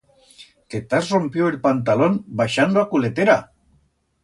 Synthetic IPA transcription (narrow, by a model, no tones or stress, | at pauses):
k̪et̪azrompjoelpant̪alonbaʃand̪oakulet̪eɾa̰